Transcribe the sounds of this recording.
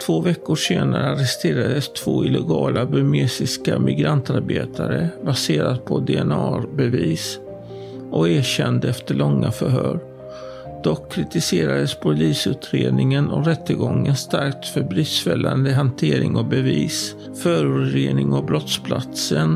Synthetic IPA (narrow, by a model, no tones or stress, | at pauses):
t̪ʰvoːvɛkːʊʂeːnaɾəaɾɛst̪ʰeːɾad̪əst̪ʰv̥oːɪlɛɡɑːlʔabɵmesɪskamʔɪɡɾant̪aɾbeːt̪ʰaɾəbaseːɾad̪̚pʰɔd̪ɛɛnɑːɾbɛviːs | ʔɔkæːɕɛnd̪əɛft̪əɭɔŋːafœɾɦœːɾ | d̪̥ɔkʰːɾɪt̪ɪseːɾad̪əspʰʊɾliːsʉ̟ːt̪ʰɾeːd̪nɪŋənʔɔɾɛt̪ːəɡɔŋːənst̪aɾk̚t̪fœɾbɾiːsfɛlːand̪əɦant̪ʰeːɾɪŋɔbɛviːs | fœːɾɵːt̪ɾeːnɪŋabɾɔt̪spʰla̰t̪sən